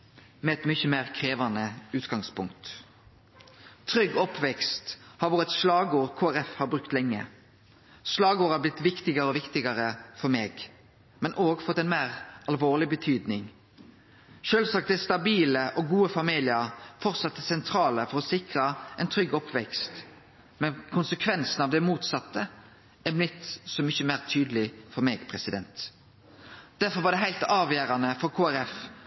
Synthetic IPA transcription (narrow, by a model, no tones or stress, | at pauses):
mɛɛt̪mʏçəmeːʁkʰʁeːʋɑnəʉːt̪ɡɑŋspʊŋkt̪ | t̪ʰɾʏɡːɔpʰʋɛkst̪hɑɾʋoːʁət̪slɑːɡəoːʁkʰoːæʁɛfhɑbɾʁʉkt̪lɛŋːə̰ | slɑːɡəoːɾɑblɪt̪ːʋɪkt̪ɪɡəɾəɔʋɪkt̪ɪɡəʁəfɔɾmeːɡ | mɛnʔoːɡfɔt̪ːɛnmæːʁɑlʋoːʁlɪbət̪ʰyːd̪nɪŋ | ʃøːlʋsɑːk̚t̪d̪ɛst̪ɑbiːləʔɔɡuːəfɑmiːlɪəɾfɔʁt̪sɑt̪ːəsɛnt̪ʰɾɑːləfɔɾɔsɪkʁəɛɪnt̪ʰɾʏɡɔpʰʋɛkst̪ | mɛnkʰʊnsəkʰʋɛnsn̩ɑʋd̪ɛmuːt̪sɑt̪ːə | æblɪt̪ːsɔmʏçəmæɪʁt̪ʰyːd̪əlɪfɔɾmeːɡpʰʁɛsɪd̪ɛnt̪ | d̪̥æʁfɔɾʋɑʁd̪ɛɦæɪlt̪ɑːʋjeːɾɑnəfɔʁkʰoːæɾɛf